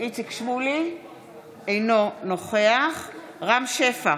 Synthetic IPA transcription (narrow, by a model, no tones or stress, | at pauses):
ʔit͡sikʃvuli | ejno̞noχeaχ | ʁamʃefa